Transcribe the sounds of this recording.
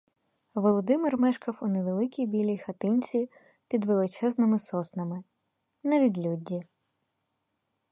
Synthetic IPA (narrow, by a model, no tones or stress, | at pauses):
ʋɔlˠɔd̪ɪmɪrmɛʃkɐwuneʋelˠɪkʲijbʲilʲijxɐt̪ɪnʲt͡sʲi | pʲid̪ʋelˠɪt͡ʃɛznɪmɪsɔsnɐmɪ | nɐʋʲid̪ʲlʲudʲːi